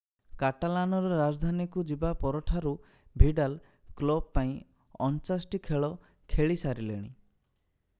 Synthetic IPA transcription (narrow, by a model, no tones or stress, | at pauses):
kaʈalanɔɾɔɾad͡ʒd̪ʱanikud͡ʒibapɔɾɔʈʰaɾu | bʱiɖal | klɔb̚paĩ | ɔnt͡ʃasʈikʰeɭɔ | kʰeɭisaɾilḛɽ̃ḭ